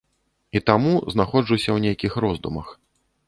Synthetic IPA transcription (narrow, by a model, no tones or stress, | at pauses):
it̪amuznaxɔd͡ʐusʲɐwnʲejkʲixɾɔzd̪umɐx